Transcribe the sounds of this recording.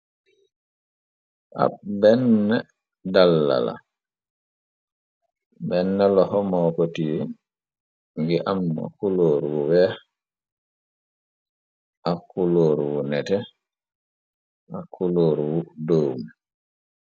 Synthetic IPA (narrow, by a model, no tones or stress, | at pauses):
ʔa̰bɛnːɛ | dalːa̰la̰ | bɛnːɛlɔhɔmɔːkotijɛ | ŋɡiʔamːa̰kuloːɾuwuwɛ | ʔakuloːɾuwunɛtɛ | ʔakuloːɾuwudoːmu